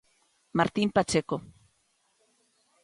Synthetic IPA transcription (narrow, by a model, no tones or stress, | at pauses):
maɾt̪impat͡ʃeko